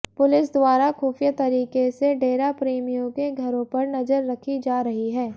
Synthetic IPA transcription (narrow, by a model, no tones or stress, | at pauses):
pʊlɪs̬d̪ʊaːɾaxuːfijat̪ɐɾiːkeseɖeːɾapɾeːmijõkeɡʱɐɾõpɐɾnɐzəɾːɐkʰid͡ʒaːɾɐɦiɦɛː